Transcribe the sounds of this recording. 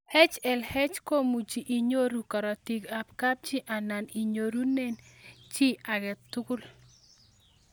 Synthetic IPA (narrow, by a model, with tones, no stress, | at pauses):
hɛ˦t͡ʃɛ˨lhɛ˦t͡ʃko˦mu˨t͡ʃi˨ʔi˨ɲo˦ɾu˨kɔ˨ɾɔ˨ti˨ka˨pka˦p̚t͡ʃi˦ʔa˨na˨ni˨ɲo˨ɾu˦nɛ˦nt͡ʃi˦a˨ɡɛ˨t̪ʊ˦kʊ˦l